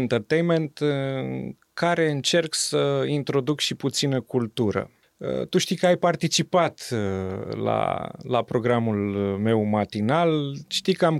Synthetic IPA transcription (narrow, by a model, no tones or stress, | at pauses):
nt̪ərt̪ejnment̪ɨ | kaɾe̞ɨnt͡ʃe̞rksəint̪ɾo̞d̪ukʃiput̪sinəkult̪uɾə̰ | ə̰t̪uʃt̪ijkəajpart̪it͡ʃipat̪ | la̰la̰pɾo̞ɡɾamulme̞wmat̪inalʃt̪ijkəam